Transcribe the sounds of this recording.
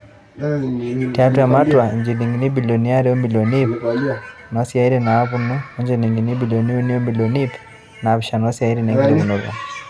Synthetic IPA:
tia˦tu˦ja˨ma˦twa˨ɲd͡ʒi˨li˨ŋɡini˦bilɔ˨ni˦aɾi˦ɔ˦mbi˨lɔ˨ni | nwa˦si˦ai˦ɾinaː˨˦βunuɔ˦ɲd͡ʒɛni˨ŋɡini˦bi˨lɔni˦u˦ni˦ɔ˦mbi˨lɔnip | na˨βiʃanwa˦si˦a˨iɾina˨ŋɡi˦ɾi˦mu˨nɔβa̰˨

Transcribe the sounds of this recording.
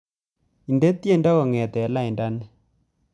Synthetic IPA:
i˨nde˦t̪je˦˨nda˦kɔ˨ŋɛ˨t̪ɛ˨˦la˦˨i˨nda˦n

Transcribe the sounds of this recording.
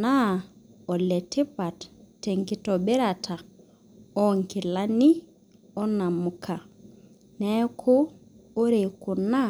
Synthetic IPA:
na˦ɔ˨lɛ˨ti˦pa˨ttːe˨ŋki˦tɔ˨be˦ɾa˨tʰa˨ | ɔ˦ŋki˨la˦ni˦ | ɔ˦na˨mu˨kʰa˨ | nɛ˦kʰo˦o˦ɾe˨ku˨na˦

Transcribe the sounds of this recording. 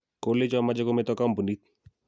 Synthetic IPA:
ko˦le˦t͡ʃa˦ma˦d͡ʒe˦ko˦mɛ˦t̪ɔ˦ka˦mpu˨ni˦t̪̚

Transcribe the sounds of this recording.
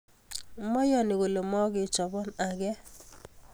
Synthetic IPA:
mɔ˦jɔ˨nɪ˨wo˨lo˨mɔ˦ɡɪ˨t͡ʃɔ˨bɔ˦na˨ɡɛ˦

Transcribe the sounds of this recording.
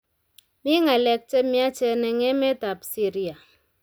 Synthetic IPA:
mi˦ŋa˨le˨k̚t͡ʃe˦mi˦a˦t͡ʃe˦ne˨ŋe˦me˦ta˨psi˦ɾi˦a˨

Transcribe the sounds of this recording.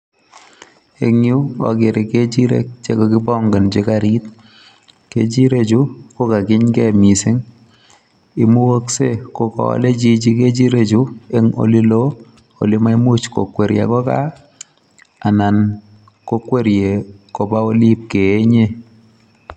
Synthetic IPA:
e˨ŋju˦ɔ̰˨kɪ˨ɾɪ˨ke˦t͡ʃi˦ɾḛ˦k̚t͡ʃe˦ko˦ki˦bɔ˦ŋɡe˨nt͡ʃi˦kaɾi˦t̚ | kḛ˦t͡ʃi˦ɾe˦t͡ʃu˦ko˦ka˨kɪ˦ɲkɛ˦˨mi˨sɪ˦ŋ | i˦mu˦wo˦kse˦ko˦kɔ̰˦le˦t͡ʃi˦t͡ʃi˦ke˦t͡ʃi˦ɾe˨t͡ʃu˦e˦ŋo̰˨li˦lo˦ | o̰˨li˦ma˦i˦mu˦t͡ʃko̰˨kwe˨ɾja̰˨kɔ˦ka̰˦ | a˨na˨n | ko˦kwe˦ɾje˨ko˨ba˦o˦li˦p̚ke˨e˦ɲe˦

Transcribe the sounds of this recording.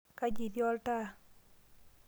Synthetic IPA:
ka˦d͡ʒi˨djɔ˦lta˦

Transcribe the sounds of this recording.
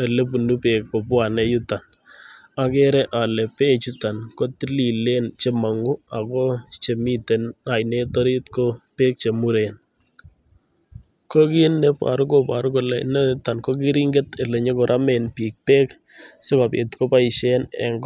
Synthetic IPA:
e˨le˦p̬u˨nu˦pe˨kko˨pwa˨nɛ˦ju˦ta˨n | a˦kɛ˦ɾɛ˦ʔa˨lɛ˨pe˦˨t͡ʃu˦ta˨nko˦ti˦li˨le˦nt͡ʃe˦ma˨ŋu˦a˨kɔ˦t͡ʃe˨mi˦te˨na˨jne˦tɔ˦ɾi˦tko˦pe˦k̚t͡ʃe˨mu˦ɾe˨n | ko˦ki˦nːɛ˦pa̰˨ɾu˦ko˨pa˨ɾu˦ko˨lɛ˨nɛ˦ta˨nko˦ki˦ɾi˦ŋɡe˦t̪e˨le˨ɲe˦kɔ˨ɾʔa˦me˨npi˨k̚peː˦k | sɪ˦ka˨pḛ˨t̪ko˦pa˦ɪ˨ʃɛnɛ̰˨ŋɡ

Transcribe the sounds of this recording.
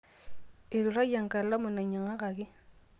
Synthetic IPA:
ɪ˨ɾu˨ɾa˦ja˨ŋ˨ka˨lla˦mʊ˨na˨ɲa˨ŋa˦ɣa˨ki˦

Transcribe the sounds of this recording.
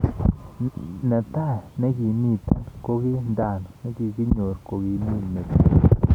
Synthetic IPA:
na˨t̪a˦ne˦ɡi˧mi˧t̪a˦ko˦ɡi˦nd̪a˧˨n˨ne˦ɡi˧ɡi˦ɲo˨ɾko˨ɡi˧mi˦lme˨t̪a˦

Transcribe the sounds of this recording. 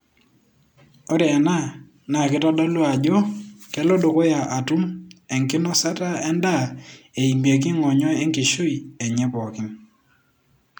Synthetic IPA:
o˦ɾe˨ɛ˨na˦˨ | na˨kɪ˦tɔ˦dɔ˦lwa˨d͡ʒo˦kɛ˦lo˦do˨ko˦ja˨ʔa˨tu˦mɛ˨ŋkɪ˦nɔ˦sa˦ta˦ɛ˦nda˦˨e˨i˨m˨e˨k̬i˦ŋɔ˨ɲɔ˦e˦ŋki˨ʃu˦i˨e˨ɲɛ˦bɔ˨kɪ˦ŋ

